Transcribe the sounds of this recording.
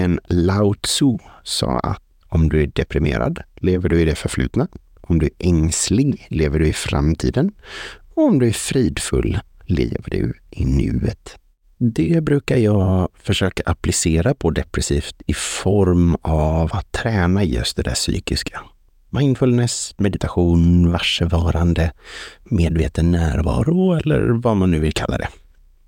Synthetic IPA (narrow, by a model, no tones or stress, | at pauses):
ɛnlaʊt̪susɑ̰ːa̰t̪ | ɔmd̪ɵæɖɛpɾɪmḛːɾa̰d̪leːvəɖɵɪd̪ɛfœɾflʉ̟ːt̪na | ʔɔmd̪ɵæɾʔɛŋslɪɡleːvəɖɵɪfɾa̰mt̪ʰḭːd̪ənɔɔmd̪ɵæɾfɾiːd̪fɵ̰lːlḛːvəɖɵ̰ʔɪnʉ̟ːət̪ | d̪ɛbɾʉ̟ːkaɾjɑːfœʂøːkaʔaplɪseːɾapʰɔd̪ɛpɾɛsiːft̪ɪfɔɾmavat̪ʰːɾɛːnajɵ̰st̪̚d̪ɛd̪æsy̰ːkɪskʰa | maɪnfɵlnɛsmɛd̪ɪt̪ʰaɧuːnvaʂəvɑːɾand̪əmeːd̪vḛːt̪ənːæːɾvɑ̰ːɾʊɛlːə̰ɾvamanːʉ̟ːvɪlkʰalːa̰d̪ɛ̰